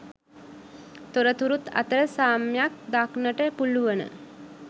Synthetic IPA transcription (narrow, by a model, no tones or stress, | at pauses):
t̪oɾət̪uɾut̪a̰t̪əɾəsaːmjak̚d̪aknəʈəpuluʋənə̰